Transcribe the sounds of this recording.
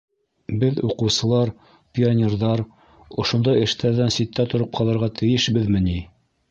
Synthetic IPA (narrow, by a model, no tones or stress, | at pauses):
bɘðuqɤ̆wsɤ̆lˠɑɾ | pʲɪonʲerðɑɾ | ŏʃŏnd̪ɑjɘ̆ʃt̪ʰæɾðænsit̪ːæt̪ŏɾɤp̚qʰɑlˠɤ̆ɾʁɑt̪ʰɘ̆jɘʃbɘðmɘni